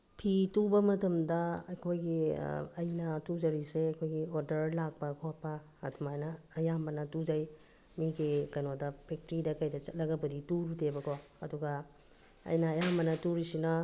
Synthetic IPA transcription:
pʰitubɐmɐtɐmdɐɐjkʰojɡiɐjnɐtud͡ʒɐɾiseɐjkʰojɡioɾdɐɾlak̚pɐkʰopɐ̰ː | tumajnɐːjambɐnɐtuzaj | miɡikɐnodɐpʰek̚tɾidɐkajdɐt͡ʃɐt̚lɐɡɐbɐdituɾutebɐkoɐduɡɐ | ɐ̰jnɐːjambɐnɐtuɾisinɐ

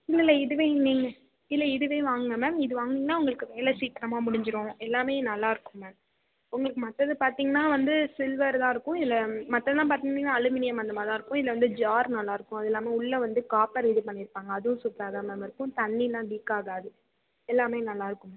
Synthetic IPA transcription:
ɪlːɪlːɛɪðɯʋẽːniːŋɡɐ | ɪðlːɛɪðɯʋẽːʋaːŋɡɐmeːmɪðɯʋaːŋɡiːŋɡɐnaːʊŋɡɐɭɯkːɯʋeːlɛsiːkɪɾɐmaːmʊɽɪɲd͡ʒɪɾõːɛlːaːmeːnɐlːaːɪɾɯkːʊ̃meːm | ʊŋɡɐɭɯkːɯmɐt̪ːɐðɯpaːɾt̪iːŋɡɐnaːʋɐnd̪ɯsɪlʋɐɾt̪ãːɪɾɯkːʊ̃ɪlːɛmɐt̪ːɐðɯt̪ãːpaːɾt̪iːŋɡɐnːnaːɐlɯmɪnɪjɐmɐnd̪ɐmaːt̪ãːɪɾɯkːʊ̃ɪðɪlːɐʋɐnd̪ɯd͡ʒaːɾnɐlːaːɪɾɯkːʊ̃ɐðɛlːaːmeːʊɭːɐʋɐnd̪ɯkaːpɐɾɪðɯpɐɳːɪɾɯpːaːŋɡɐːðɯʊ̃supːɾaːðaːmeːmɪɾɯkːʊ̃t̪ɐɳːinãːɖiːkaːɣaːðɯ | ɛlːaːmeːnɐlːaːɪɾɯkːɯ̃mː

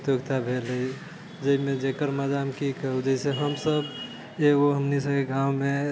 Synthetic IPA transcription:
t̪joɡt̪abʱeləi | d͡ʒəimẽd͡ʒekəɾməd̪amkikəɦud͡ʒəɪseɦəmsəb | eoɦəmnisəbkeɡʱãwme

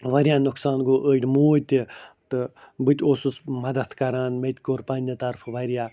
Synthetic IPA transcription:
ʋɐɾijaːnʊksaːnɡoːʔəːʈʲmuːt̪ʲit̪ɨbɨt̪ʲoːsusmɐd̪ɐt̪ʰkɐɾaːnmet̪ʲkoːɾpaːnʲɐt̪ɐɾpʰʋɐɾjaː

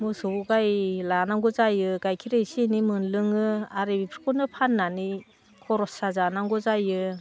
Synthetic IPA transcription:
musɯbuɡajlanaŋɡɔzajɯɡajkʰiɾejsinimɯnlɯŋɯaɾebipʰɾi̥kunɯpʰanːani | kʰɔɾɔsazanaŋɡɔzajɯ

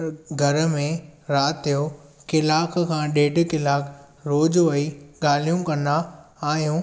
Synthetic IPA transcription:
ɡʱɐɾ̆mẽɾaːt̪ijokɪlaːkkʰãːɗeːɖkɪlaːk | ɾoːd͡ʑoʋɐiɠaːl̤ijũkɐnd̪aaːɦijũː

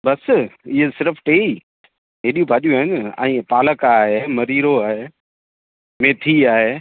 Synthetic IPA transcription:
bɐsɪɦesɪɾəfʰʈeːi | ɦeːɗijũbʱaːʄjuaːɦɪnã̰ːpaːləkaɦemɐɾiːɾoaːɦeː | meːt̪ʰiaːɦeː

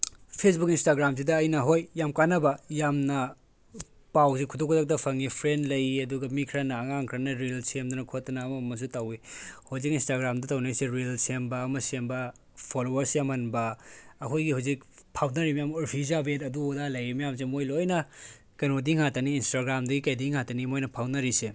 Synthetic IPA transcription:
pʰes̬bukinstaɡɾams̬idɐːjnɐɦojːamkanɐbɐjamnɐ | pawsikʰudokʰuzak̚tɐpʰɐŋipʰɾendlɐjiɐduɡɐmikʰɾanɐːŋaŋkʰɾanɐɾelsemdunɐkʰot̚ːɐnɐːmɐmɐs̬utawihozikinstaɡɾamdɐtawnajseɾelsembɐːmɐsembɐ | pʰolowɐɾsemɐnbɐːkʰojɡihawzik̚pʰawnɐɾimɐjamoɾpʰizabetɐduodalɐjimɐjams̬emojlojnɐ | kɐnodiŋhatɐniːnstaɡɾamdɐɡikajdiŋhatɐnimojnɐpʰawnɐɾise

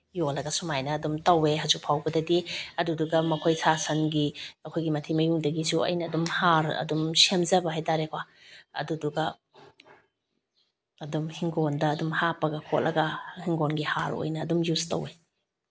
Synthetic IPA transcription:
jolɐɡɐsumajnɐːdumtɐweɦɐzuk̚pʰawbɐdɐdiɐduduɡɐmɐkʰojsʰasɐnɡiɐkʰojɡimɐtʰimɐjuŋdɐɡisuɐ̰jnɐːdumhaɾɐ̰dumsemzɐbɐɦajtaɾekʰwa | ɐ̰duduɡɐ | dumhiŋɡondɐːdumhapɐɡɐkʰot̚lɐɡɐhiŋɡonɡihaɾo̰jnɐːdumjuztɐ̰we

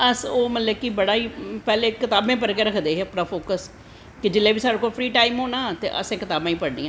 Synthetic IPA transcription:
əsoːmət̪ləkibəɽaːiːpɛːleːkɪt̪aːbẽːp̬əɾkeːɾəkʰd̪eːɦeːəpnaːpʰoːkəs | kɪd͡ʒɪlːeːbiːsaːɖeːkoːlpʰɾiːʈaːimɦoːnaːt̪ḛːʔə̰sẽːkɪt̪aːbãːĩːpəɽnḭːãː

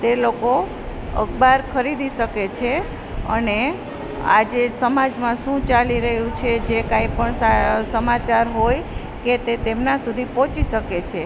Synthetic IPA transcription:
t̪eloko | ə̰ɡbaɾkʰəɾid̪iʃəket͡ʃʰe | ə̰ne | a̰d͡ʒesəmad͡ʒmãʃũt͡ʃaliɾəɦjũt͡ʃʰed͡ʒekaipəɳsasəmat͡ʃaɾɦoj | ket̪et̪emnasud̪ʱipɔ̃t͡ʃiʃəket͡ʃʰe

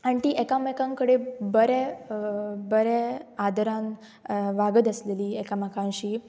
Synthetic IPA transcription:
ant̪iːʔekamekãŋkəɽebəɾɛ | bəɾɛad̪ʱəɾãn | ʋaɡəd̪əsleliːekamakãnɕiː

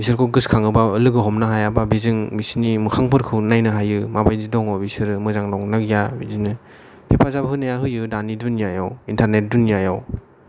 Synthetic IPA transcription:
bisɯɾkʰɔɡɯskʰaŋɯbaɯlɯɡɯɦɔmnaɦajababizɯŋbisinimɯkʰaŋpʰɯɾkʰɯwnajnɯɦajɯmabajdidɔŋɔbisɯɾɯmɯzaŋnɔŋnaɡjabizinɯ | hʰepʰazabahɯnajaɦɯjɯdanidunjajawintʰaɾnet̚dunjajaw

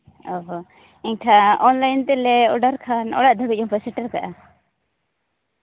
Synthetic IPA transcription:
ɔɦɔ | ɛɲkʰaʔɔnlajnt̪ɛlɛɔɖaɾkʰanɔ̰ɽaʔd̪ʱəbiˀɔmpɛsɛʈaɾka̰ʔa

